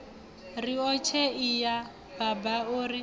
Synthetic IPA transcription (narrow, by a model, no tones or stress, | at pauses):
riɔt͡ʃʰɛija | b̥abaori